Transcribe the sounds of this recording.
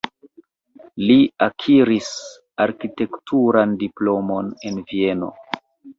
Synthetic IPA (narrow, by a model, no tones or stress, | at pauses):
liakʰiɾis | aɾkite̞ktʰuɾandiplo̞mo̞ne̞nvie̞no̞̰